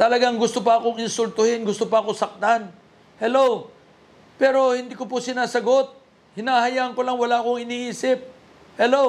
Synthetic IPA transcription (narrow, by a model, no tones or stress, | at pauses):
t̪ɐlɐɡaŋɡʊst̪opɐɐko̞ŋɪnsʊlt̪ʊhɪnɡʊst̪opɐɐkosɐk̚t̪an | hɛlow | pɛːɾo̞hɪnd̪iːkopʊsɪnaːsɐɡo̞t̪̚ | hɪnaːhɐjaːʔɐŋkolɐŋwɐlaʔɐkoŋɪniːʔiːsɪp̚ | hɛlow